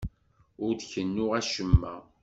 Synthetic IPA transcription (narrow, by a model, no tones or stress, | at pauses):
ʊɾd̪çənːʊʁæʃəmːæ̰